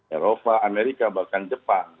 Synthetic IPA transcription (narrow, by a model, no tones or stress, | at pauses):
eɾɔpaameɾikabakandɪpːa